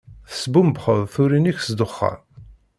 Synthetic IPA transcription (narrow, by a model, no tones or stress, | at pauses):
θə̥sbumbχəðˤθuɾiniçsd̪ʊχːɑ̰ɾ